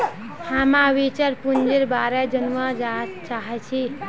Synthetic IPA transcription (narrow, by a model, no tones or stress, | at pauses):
hamãwit͡ʃəɾpund͡ʒeɾbaɾed͡ʒənʋəd͡ʒat̪t͡ʃaɦɛt͡ʃʰi